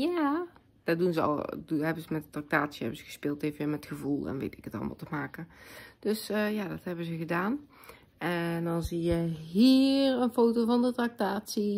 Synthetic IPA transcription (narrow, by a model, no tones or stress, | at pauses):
ja | d̥ɔdunzəɔ̰lˠhɛbənzəmɛtdətrak̚taːtsjəhɛ̰bənzəɣəspɪːlˠteːvənʋɪmɛtxəvulˠɛ̰nʋḛːtɪkətɔ̰lˠmɔ̰lˠtəmaːkəd̥øsəjadɔthɛbəzəɣədaːn | ʔɛndɔnzijəɦiːrənfoːtovɔndətrak̚taːtsi